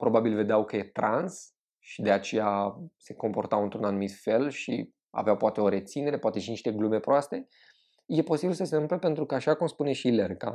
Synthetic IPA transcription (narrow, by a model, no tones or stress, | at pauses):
pɾo̞babilve̞d̪eawkəjet̪ɾʔans | ʃid̪e̞at͡ʃe̞jase̞ko̞mpo̞rt̪awɨnt̪ɾunanumit̪fe̞lʃḭ | a̰veawpoat̪e̞o̞ɾe̞t̪sine̞ɾe̞poat̪e̞ʃiniʃt̪e̞ɡlume̞pɾoast̪e̞ | je̞po̞sibilsəseɨmplepe̞nt̪ɾukəaʃakumspune̞ʃilerka̰